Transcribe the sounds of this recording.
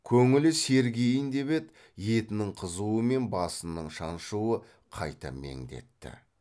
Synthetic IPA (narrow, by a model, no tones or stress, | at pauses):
kʲʰɵŋɪlɪse̞ɾɡʲe̞jɪnd̪e̞βe̞t̪ | je̞t̪ɪnɪŋqʰəzuəme̞nbɑsənːəɴʃɑnʃuwə | qʰɑjt̪ɑ̰me̞̰ŋd̪e̞̰t̪ːɪ̰